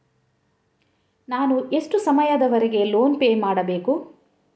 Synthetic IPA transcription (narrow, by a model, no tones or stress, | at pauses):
naːnuʔe̞ʂʈusɐmɐjɐd̪ɐʋɐɾeɡe̞loːnpeːmaːɽɐbe̞ːku